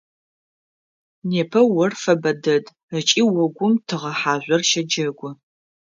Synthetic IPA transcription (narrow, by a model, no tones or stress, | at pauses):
neːpʰɐwɔrfɐbɐdɐd | ət͡ʃʼiːwɔɡʷʊmtʰɨʁɐħaːʑʷɔrʃɐd͡ʒɐɡʷɔ